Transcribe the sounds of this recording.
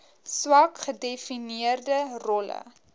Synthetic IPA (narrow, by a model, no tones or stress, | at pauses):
swɐkχədefiniərdərɔlə̰